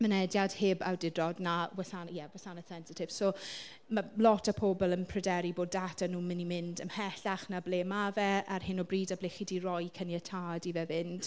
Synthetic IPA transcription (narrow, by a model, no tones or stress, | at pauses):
mənɛdjad̥hɪba̰wdɪdrɔdnawɛsanjɛwɛsanəsɛnsɪtʰɪv̥soː | malˠɔtʰapʰobɔlˠəmpʰrɛdɛɾiboːdːatʰanuːmɪnimɪndəmhɛɬaχnableːmavɛarhɪnɔbriːdableχidirɔjkʰənjətʰaːdivɛvɪnd̥